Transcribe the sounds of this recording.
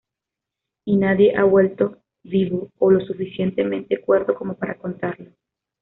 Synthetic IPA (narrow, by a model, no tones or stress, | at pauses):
inaðje̞ʔaβwe̞lt̪o̞ | βiβoːlo̞sufisje̞nt̪e̞mẽ̞nt̪ekwe̞ɾðo̞ko̞mo̞paɾako̞nt̪aɾlo